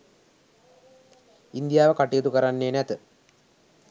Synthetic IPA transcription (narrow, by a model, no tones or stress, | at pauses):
ind̪ijaːʋəkaʈijet̪ukəɾanːeːnæt̪ə